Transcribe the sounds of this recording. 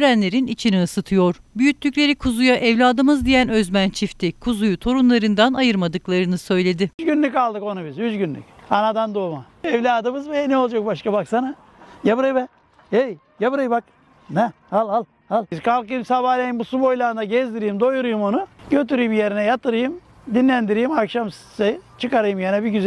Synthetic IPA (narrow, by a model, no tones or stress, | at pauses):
yɾænlʲe̞ɾinit͡ʃʰiniɯsɯt̪ʰɯjo̞ɾ̥byjyt̪lʲycʲlʲe̞ɾikʰuzujaʔɛvlʲaːd̪ɯmɯzd̪ijænø̞zmænt͡ʃʰift̪ʰikʰuzujut̪ʰo̞ɾunlˠaɾɯnd̪anajɯɾmad̪ɯklˠaɾɯnɯsø̞jlʲe̞d̪ɪzɡynlʲycalˠd̪ɯko̞nubizyzɟynlʲy̰canad̪and̪oma | ɛvlʲaːd̪ɯmɯzbejɛnɛo̞lˠd͡ʒak̚baʃkabaksana | jabɯɾajbɛ | ej | jabɯɾajbak | nɛhalʲˠhalˠ | halˠizkʰalˠkɯjɯmsabaːlʲajimbusubo̞jlʲˠand̪aɟɛzd̪iɾijimd̪o̞juɾujumo̞nuɟø̞t̪yɾyjimjeɾinɛjat̪ɯɾɯjɯm | d̪inlʲænd̪iɾijimakʃamssat͡ʃʰɯkaɾɯjɯmjanɛbiɟyz